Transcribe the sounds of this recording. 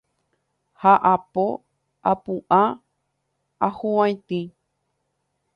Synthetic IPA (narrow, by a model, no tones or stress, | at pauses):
haʔapo | apũʔa | ahũwãj̃t̪ĩ